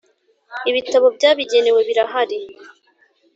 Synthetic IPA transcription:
iβitaβo̞bɟaːβiɟe̞ne̞we̞βiɾaɦaɾi

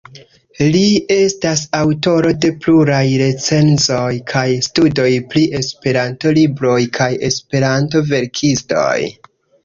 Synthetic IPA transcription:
lie̞stasawto̞ɾo̞de̞pluɾajɾe̞t͡se̞nzo̞jkʰajstudo̞jpɾiʔe̞spe̞ɾanto̞libɾo̞jkʰaje̞spe̞ɾanto̞ve̞ɾkʰisto̞̰j

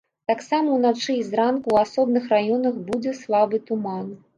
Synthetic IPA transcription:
t̪aksamɐwnat͡ʂɨizɾankuasɔbnɨxrajɔnɐxbud͡zʲɛslˠabɨt̪uman

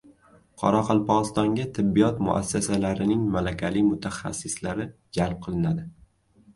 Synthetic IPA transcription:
qʰɒ̰ɾɒqʰɑlˠpɒst̪ɒŋʲat̪ʰɪbːijɒt̪mʊ̰ʔa̰sːasalaɾɪnɪŋmalakʲʰalɪmʊt̪ʰaχa̰sːɪslaɾɪ | d͡ʒalˠp̚qʰɨlˠɪnad̪ɪ

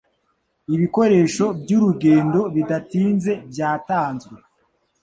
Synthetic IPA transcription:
iβiko̞ɾe̞ːʃo̞bjuːɾuɡe̞ːndo̞βidatiːnze̞bjaːtaːnzɡwe̞

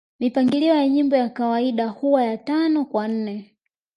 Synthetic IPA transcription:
mipaŋɡiliɔjaɲimbɔjakawaiɗahuwajatanɔkwan̩nɛ

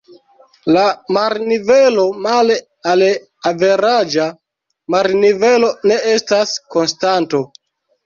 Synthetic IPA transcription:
lamaɾnivelo̞male | al | ave̞ɾad͡ʒa | maɾnive̞lo̞ne̞estasko̞nstanto

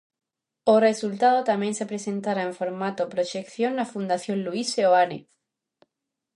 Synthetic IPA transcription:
oresult̪að̞ot̪amẽnsepɾesent̪aɾaeɱfoɾmat̪opɾoʃekθjonːafund̪aθjonluiseoane

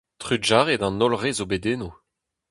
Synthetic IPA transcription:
tʁyʒaːʁedɑ̃nɔlʁezobedeːno

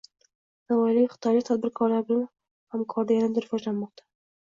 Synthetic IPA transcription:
navɒjlɪχɨ̥t̪ʰɒjlit̪ʰad̪̚bɪɾkʰɒɾlaɾbɪlan | hamkʰɒɾd̪ajanad̪aɾɪvɒd͡ʒlanmɒq̚t̪ʰḁ

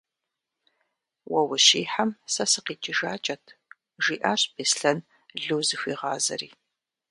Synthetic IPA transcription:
wɐwɐʃiːħamsɐsɨqiːt͡ʃʼɪʒaːt͡ʃʼɐtʰ | ʒiːʔaːɕpʰeːsɬɐn | ɮɨwzɨxʷḭːʁɑːzɐ̰ɾiː

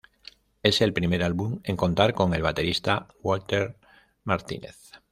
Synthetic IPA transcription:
e̞se̞lpɾime̞ɾalβume̞ŋko̞nt̪aɾko̞ŋe̞lβ̞at̪e̞ɾist̪awolt̪e̞ɾ | maɾt̪ḭne̞̰θ

